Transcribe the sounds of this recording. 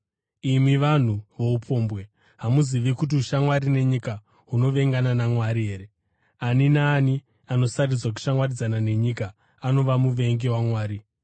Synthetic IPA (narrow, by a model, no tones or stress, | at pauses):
imiʋan̤uʋo̞upʰo̞ːmbwe̞ | ɦamuziʋikut̬iuʃamwaɾine̞ɲika | ɦuno̞ʋe̞ŋɡananamwaɾiɦe̞ːɾe̞ | aninaːni | ano̞sarid͡zwak̬u̥ʃamwarid͡zanane̞ɲikaː | no̞ʋamuʋe̞ŋɡewamwaːɾi